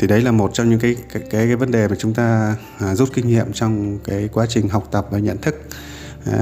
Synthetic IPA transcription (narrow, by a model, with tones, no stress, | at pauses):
t̪ʰi˨˩ɗə˨˦jlaː˨˩mo˨˩t̚t͡ɕɔ˧wŋ͡mɲɨ̰˧˥ŋkaː˨˦jkaː˨˦jkaː˨˦jvə˨˦nɗe˨˩maː˨˩t͡ɕʊ˨˦ŋ͡mt̪aː˧˨˩ | zu˦˥t̚kï˧ŋ̟hḭ˧˨əmt͡ɕɔ˧wŋ͡mkaː˨˦jkwaː˨˦t͡ɕï˨˩ŋ̟ɦa˨˩wk͡p̚t̪ə˨˩p̚vaː˨˩ɲə̰˧˨nt̪ʰɨ˦˥k̚